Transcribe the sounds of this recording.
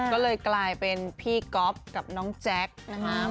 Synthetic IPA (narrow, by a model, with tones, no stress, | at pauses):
kɔː˥˩lɤː˧jklaː˧jpe˧npʰiː˥˩kɔ˦˥p̚ka˨˩p̚nɔː˦˥ŋt͡ɕɛ˦˥k̚